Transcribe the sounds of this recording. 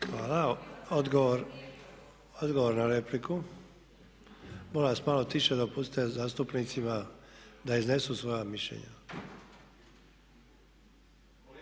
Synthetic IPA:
xʋaːlaod̪ɡoʋoɾ | od̪ɡo̞ʋo̞ɾnaɾepliku | bolasmaːlot̪iʃed̪opusi̥t̪ezaːst̪upnit̪simad̪aizne̞susʋo̞jamiʃʎḛɲa̰

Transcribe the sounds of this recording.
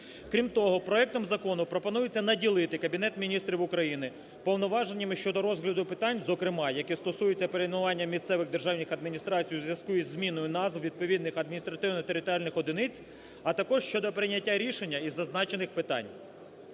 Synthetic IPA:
kɾʲimt̪ɔɦɔpɾɔɛk̚t̪ɔmzɐkɔnʊpɾɔpɔnujɪt͡sʲːɐnɐdʲilˠɪt̪ɪkɐbʲin̪ɛt̪mʲinʲist̪ɾʲiwʊkɾɐjinɪ | pɔwnɔʋɑʒenʲːɪmɪʃt͡ʃɔd̪ɔɾɔzɦlʲɐd̪ʊpɪt̪ɑnʲzɔkɾɪmɑjɐkɛst̪ɔsujet͡sʲːɐpeɾejnʊʋɑnʲːɐmʲist̪sɛʋɪɣd̪e̞rʒɑwnʲɪxɐd̪̚mʲinʲist̪ɾɑt͡sʲijʊzʋjɐskujɛzʲːmʲinɔjʊnɑzwʋʲid̪̚pɔʋʲid̪nɪxɐd̪̚mʲinʲist̪ɾɐt̪ɪwnɔt̪eɾʲɪt̪ɔɾʲalʲnɪxɔd̪ɪnɪt͡sʲ | ɐt̪ɐkɔʒʃt͡ʃɔd̪ɔpɾɪnʲɐtʲːaɾʲiʃenʲːɐizːɐznɑt͡ʃenɪxpɪt̪ɑ̰nʲ

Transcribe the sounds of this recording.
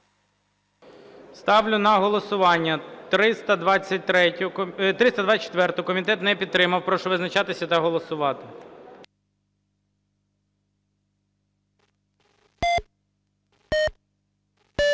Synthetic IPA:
st̪ɑwlʲʊnɐɦɔlˠɔsʊʋɑnʲːɐt̪ɾɪst̪ɐd̪ʋɑt͡sʲːɐt̚ʲt̪ɾɛʊt̪ɾɪst̪ɐd̪ʋɑt͡s̚ʲːt͡ʃːe̥t̪ʋɛrt̪ʊkɔmʲit̪ɛt̪nɛpʲid̪t̪ːɾɪmɐwpɾɔʃʊʋɪznɐt͡ʃɑt̪ɪsʲɐt̪ɐɦɔlˠɔsʊʋɑt̪ɪ

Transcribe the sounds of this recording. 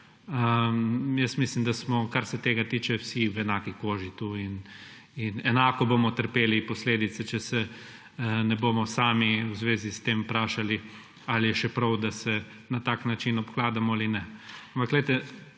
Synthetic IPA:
əmjəst̪mislimd̪asmɔkaɾsɛt̪eːɡat̪iːt͡ʃɛwsiwɛnaːkikoːʒit̪uin | inɛnaːkɔboːmɔt̪əɾpeːlipɔsleːd̪it̪sɛt͡ʃɛsɛ | nɛboːmɔsaːmiwzʋeːzist̪eːmpɾaːʃali | alijɛʃɛpɾɐwd̪asɛ | nat̪aːknat͡ʃinɔpklaːd̪amɔalinɛampakɡlɛjt̪ɛ

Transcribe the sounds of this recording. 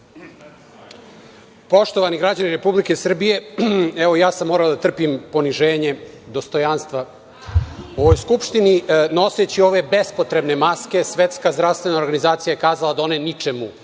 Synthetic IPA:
po̞ʃt̪o̞ʋaniɡɾad͡ʑaniɾe̞publike̞sr̩bije̞ɛʋojaːsamːoːɾaod̪at̪r̩pimpo̞niʒeːɲe̞ | d̪o̞st̪o̞janst̪ʋa | o̞ʋojskupʃt̪inino̞set͡ɕio̞ʋe̞be̞spot̪ɾe̞bne̞maske̞sʋet̪skazd̪ɾaʋst̪ʋe̞nao̞ɾɡanizaːt̪sijajekaːzalad̪aonenit͡ʃemu

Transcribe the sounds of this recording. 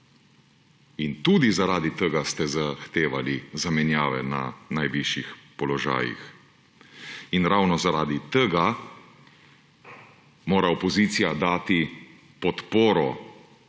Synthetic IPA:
int̪uːd̪izaɾaːd̪it̪əɡast̪ɛzaxt̪eːʋalizamɛnjaːʋɛna̰najʋiʃjixpɔlɔʒa̰ːjḭx | inɾawnɔzaɾaːd̪it̪əɡa | moːɾaɔpɔziːt̪sijad̪aːt̪i | pɔt̪poːɾɔ

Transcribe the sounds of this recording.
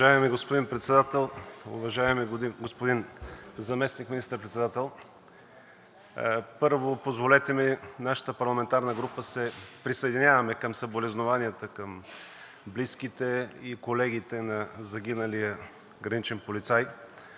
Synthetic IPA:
aɛmɛɡospod̪inpɾɛt̪sɛd̪at̪ɛlˠʊ̰vɐʒaɛmɛɡospod̪inzɐmɛsnikmʲinist̪əɾpɾɛt̪sɛd̪at̪ɛlˠ | pɤɾvopozvolɛt̪ɛminaʃə̥t̪əpɐɾlˠɐmɛnt̪aɾnəɡɾupəsɛpɾisəɛd̪inʲjavɐmɛkɐmsɐbolɛznovaniət̪əkɐm | bliskit̪ɛikolɛɡ̟it̪ɛnɐzɐɡ̟ʲinəlijə | ɡɾɐnit͡ʃɛnpolit̪saj

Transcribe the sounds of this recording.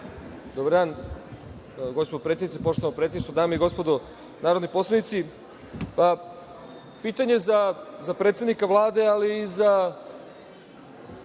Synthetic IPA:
d̪obaɾd̪aːn | ɡo̞spoopɾeed̪nit̪sepo̞ʃt̪oampɾeseiʃt̪od̪aːmeiɡo̞spod̪o | naːɾo̞d̪nijposlˠanit̪si | pa | piːt̪aɲe̞zazapɾet̪sed̪nikaʋlˠaːd̪e̞aliːza

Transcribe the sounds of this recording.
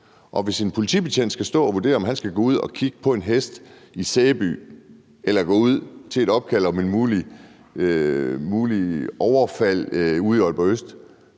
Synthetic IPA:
ʔɒ̽ʋe̝sinpʰo̝lit͡sʰḭb̥et͡sʰend̥sɡ̥æsd̥ɔ̰̽ːɒʋude̝̰ːɐɒmɦænsɡ̥æɡ̥ɔ̰ːuð̰ˠɒ̽kʰiɡ̥ə̥pʰɒ̽e̝nɦesd̥ | iseːb̥y̰ː | elɐɡ̥ɔ̰̽ːuð̞̰ˠt͡sʰe̝e̝ɾ̥ɒ̽b̥̚kʰæl̰ɒ̽me̝nmuːli | muːliɒʊɐfæl̰uð̰ˠiɒlb̥ɐøsd̥

